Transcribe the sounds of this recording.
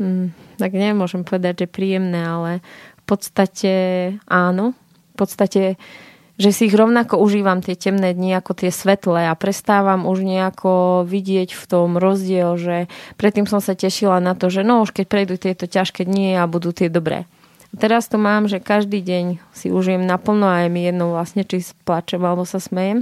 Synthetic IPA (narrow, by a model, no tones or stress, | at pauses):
t̪aɡɲɛmʊɔʒɛmpɔʋɛd̪aɟʒɛpɾiːjɛmnɛːalɛfpɔt̪st̪acɛʔaːnɔ | fpɔt̪st̪acɛ | ʒɛsiːɣɾɔʊnakɔuʒiːʋamt̪ɪɛcɛmnɛːd̪ɲiakɔt̪ɪɛsʋɛt̪lɛapɾɛst̪aːʋamuʒɲɛakʰɔʋiɟɪɛcft̪ɔmɾɔzɟɪɛlʒɛpɾɛt̪ːiːmsɔmsacɛʃilanat̪ɔʒɛnɔuʃkɛc̚pɾɛjd̪uːt̪ɪɛt̪ɔcaʃkɛd̪ɲiabud̪uːt̪ɪɛd̪ɔbɾɛ̰ː | at̪ɛɾast̪ɔmaːmʒɛkaʒd̪iːɟɛɲsḭuʒijɛmnapl̩nɔajmijɛd̪nɔʊʋlasɲɛt͡ʃisplat͡ʃɛmalɛbɔsasmɛjɛm